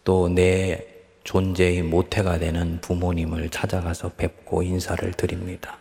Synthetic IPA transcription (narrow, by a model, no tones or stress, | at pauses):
t͈one̞ | t͡ɕond͡ʑe̞imotʰe̞ɡadwe̞nɯnpumoɲimɯɭt͡ɕʰad͡ʑaɡasʰʌpe̞p̚k͈oinsʰaɾɯ̰ɭtɯɾimɲid̥a